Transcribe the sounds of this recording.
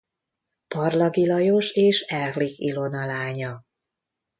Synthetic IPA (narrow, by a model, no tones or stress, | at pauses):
pɒrlɒɡilɒjo̞ʃeːʃɛlɣlikilo̞nɒlaːɲɒ